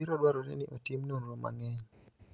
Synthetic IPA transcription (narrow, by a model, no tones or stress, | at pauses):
iɾɔdwaɾɔɾɛ̰niʔotimnonɾoma̰ŋɛɲ